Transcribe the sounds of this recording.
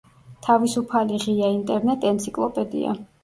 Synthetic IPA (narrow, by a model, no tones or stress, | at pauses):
t̪ʰavisupʰaliʁiaint̪ʼɛɾnɛt̪ʼɛnt̪sʰikʼlˠɔpʼɛd̪ḭa̰